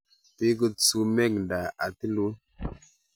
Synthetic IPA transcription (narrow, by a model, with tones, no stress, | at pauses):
pe˦kə˧t͡su˧mɛ˦˨k̚nda˨a˨ti˦lu˦